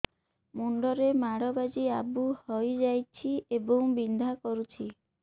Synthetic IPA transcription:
muɳɖɔɾemaɽɔbad͡ʒiabuhɔjd͡ʒajt͡ʃʰiebɔŋbind̪ʱakɔɾut͡ʃʰi

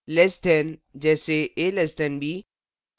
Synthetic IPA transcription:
lɛːst̪ʰɛnd͡ʒɛːseeːlɛst̪ɛnbʱiː

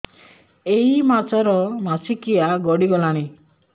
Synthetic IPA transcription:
eimat͡ʃɔɾɔmasikiaɡɔɽiɡɔlaɽ̃i

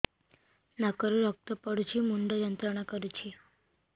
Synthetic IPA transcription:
nakəɾuɾək̚t̪əpəɽut͡ɕiːmuɳɖəjənt̪ɾəɳ̃akəɾut͡ɕi

